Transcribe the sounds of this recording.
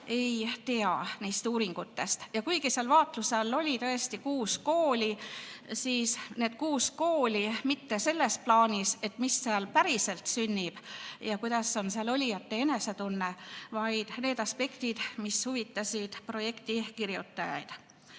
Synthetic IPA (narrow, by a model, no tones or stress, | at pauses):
e̞jt̪e̞ɑniːst̪uːɾiŋɡut̪ːe̞st̪jɑkujɡiseɑlvɑːt̪ˑluselːo̞lʲit̪ɤe̞st̪ikuːsko̞ːlʲisiːsne̞ːd̪̥kuːsko̞ːlʲimit̪ːe̞se̞lːe̞splɑːnʲise̞t̪ˑmisːeɑlpæɾise̞lt̪synʲːib̥jɑkujd̪̥ɑsːo̞nseɑlo̞lʲijɑt̪ːeene̞se̞t̪unːevɑjd̪̥ne̞ːd̪̥ɑspe̞kt̪id̪̥mishuvit̪ːˑɑsʲid̪̥pro̞je̞kt̪ikiɾjut̪ːɑjɑ̰jd̪̥